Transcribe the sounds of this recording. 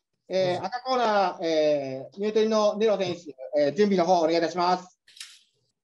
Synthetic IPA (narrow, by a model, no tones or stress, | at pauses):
eːak̪ako̞ːnaeːɲʲɨːt̪oɾʲino̞neɾo̞sẽ̞ɰ̃ɕɨeːd͡ʑɨ̟̃mʲbʲino̞ɦo̞ːneait̪aɕimasɨ̥